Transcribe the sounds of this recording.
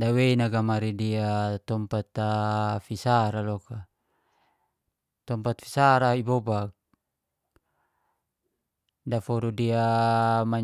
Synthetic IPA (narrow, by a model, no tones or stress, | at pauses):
daweinaɡamaɾidiat̪ɔmpat̪afisaɾalɔka | t̪ɔmpat̪fi̥saɾaibɔbak̚ | dafɔɾudiama